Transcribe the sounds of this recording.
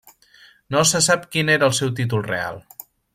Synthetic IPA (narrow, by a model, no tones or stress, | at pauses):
nosəsapkineɾəːlˠsɛwt̪̬it̪̬ulˠrḛa̰lˠ